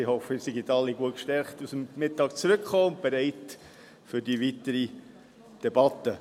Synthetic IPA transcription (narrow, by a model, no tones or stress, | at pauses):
ihɔfəɪsiɡitɑlːiɡuət̚kʃtɛɾχtusəmmɪtːɑːkt͡sɾɵkχoːʊnt̚b̥ɛɾɛɪt | fʏɾdiʋitəɾi | d̥ɛbɑtə